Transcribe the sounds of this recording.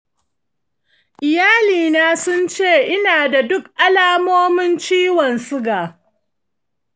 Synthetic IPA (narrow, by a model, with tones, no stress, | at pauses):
ʔɪ˨jaː˦liː˨naː˦sʊ˦nt͡ʃeː˦˨ʔɪ˦naː˨da˨dʊ˦k̚ʔa˦laː˦moː˦mɪ˦nt͡ʃiː˦wɔ˨nsʊ˦ɡaː˨